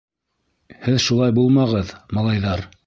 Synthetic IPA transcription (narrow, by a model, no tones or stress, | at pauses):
hɘðʃulˠɑjbulˠmɑʁɤðmɑlˠɑjðɑɾ